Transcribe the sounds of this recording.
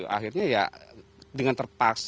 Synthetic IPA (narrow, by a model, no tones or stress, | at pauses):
uʔa̰ɦirɲaja̰ | dəŋant̪ərpaks